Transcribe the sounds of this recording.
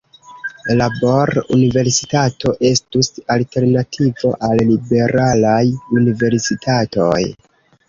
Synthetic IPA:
laboɾṵnive̞ɾsi̥tato̞ʔe̞stusalte̞ɾnatʰivo̞ʔalːibe̞ɾalajunive̞ɾsitʰato̞̰j

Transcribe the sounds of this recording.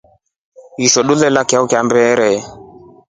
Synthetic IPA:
iʃɔɗulɛlakaukjambɛɾɛ

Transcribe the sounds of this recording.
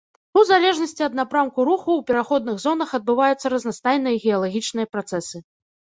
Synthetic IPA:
uzalʲɛʐnɐsʲt͡sʲiɐd̪napɾamkuɾuxuːpʲɛɾaxɔd̪nɨɣzɔn̪ɐxɐd̪̚bɨvajut̪sːɐɾɐznast̪ajn̪ɨjɐɣʲɛjɐlˠaɣʲit͡ʂnɨjɐpɾat̪sɛsɨ

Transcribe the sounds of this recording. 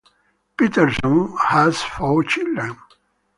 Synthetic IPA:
pitəɾsə̃nhæz̥fɔːt͡ʃildɾə̃n

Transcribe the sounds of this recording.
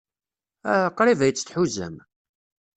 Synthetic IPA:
qːɾivæjət͡sːθħuzæ̰m

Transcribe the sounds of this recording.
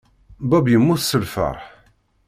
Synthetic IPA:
bæbjəmːʊθsəlfə̰ɾˤħ

